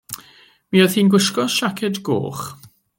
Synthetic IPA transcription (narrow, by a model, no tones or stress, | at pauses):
miːɔðiːnɡwɪʃkɔʃakʰɛdɡo̰ːχ